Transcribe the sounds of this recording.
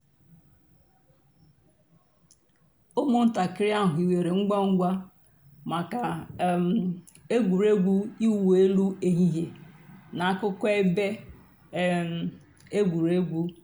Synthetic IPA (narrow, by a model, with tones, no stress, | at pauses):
ʊ˦mʊ˦n̩˦ta˨kɪ˦ɾja˦˨ɦʊ˨i˨we˨ɾe˨ŋ͡m̩˦ɡa˦ŋ̩˦ɡʷa˦ | ma˨ka˨ | e˦ɡʷu˨ɾe˦ɡʷu˦i˦wu˨e˦lu˦e˨ɦi˦ɦe˨na˨a˦kʊ˦ke˦be˦˨ | e˦ɡʷu˨ɾe˦ɡʷu˦